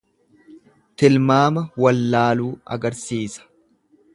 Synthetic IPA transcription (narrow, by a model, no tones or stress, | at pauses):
t̪ɪlmaːmɐwɐlːaːluːɐ̰ɡɐɾsiːsɐ̥